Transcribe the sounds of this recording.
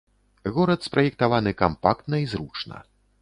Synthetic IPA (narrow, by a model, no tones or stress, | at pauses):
ɣɔɾɐt̪spɾʔɐjɛk̚t̪avanɨkampakt̪nɐizɾut͡ʂnɐ̰